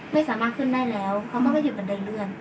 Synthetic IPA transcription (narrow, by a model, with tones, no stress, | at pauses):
ma˥˩jsaː˨˦maː˧˩t̪̚kʰɯ˧˥˩ndaː˥˩jlɛː˦˥wkʰa˧˩wmaː˧˩kːɔ˥˩˨juː˧˩ka˨˩nda˧˩jlɯ˧˩ən